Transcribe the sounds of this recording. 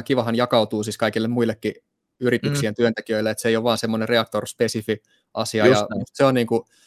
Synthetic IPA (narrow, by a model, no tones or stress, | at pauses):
kiʋɑɦɑnjɑkɑut̪uːsiskɑikilːemuilːekːi | yrit̪yksient̪yønt̪ekiøilːeet̪seijoʋɑːnsemːonereɑk̚t̪orspesifi | ʔɑsiɑjɑseonniːŋku